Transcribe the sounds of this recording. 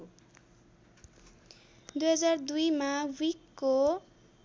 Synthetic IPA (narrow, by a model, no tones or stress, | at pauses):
d̪ujɦʌd͡zaɾd̪ujmawikːo